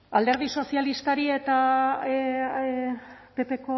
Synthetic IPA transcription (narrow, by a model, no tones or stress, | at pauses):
ald̪e̞ɾð̞iso̞sialist̪aɾie̞t̪a | pe̞pe̞ko